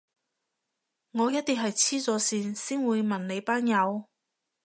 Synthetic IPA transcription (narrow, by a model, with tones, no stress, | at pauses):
ŋɔː˨˧jɐ˥t̚t̪ːiː˨˩ɦɐ˨jt͡sʰiː˥t͡sɔː˨˧siː˧nsiː˥nwuː˨˧jmɐ˨˩nne˨˧jpaː˥njɐ˨˧w